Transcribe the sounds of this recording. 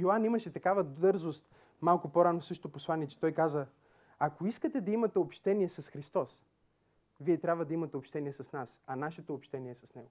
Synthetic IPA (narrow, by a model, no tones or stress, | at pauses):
joanimɐʃɛt̪ɐkavɐd̪ɤɾzost̪ | malˠkʊpoɾanosɤʃt̪oposlˠaniɛt͡ʃɛ̥t̪ɔjkazə | akoiskət̪ɛd̪ɐimɐt̪ɛopʃt̪ɛniɛsɐsxɾist̪ɔs | viɛt̪ɾʲabvəd̪ɐimɐt̪ɛopʃt̪ɛniɛsɐsnasɐnaʃɛt̪oːpʃt̪ɛniɛsɐsnɛɡo